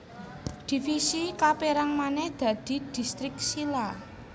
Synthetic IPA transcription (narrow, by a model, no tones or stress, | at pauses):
d̪̥i̤fisikapeɾaŋmanɛd̪̥a̤d̪̥i̤d̪̥i̤st̪ɾɪk̚sila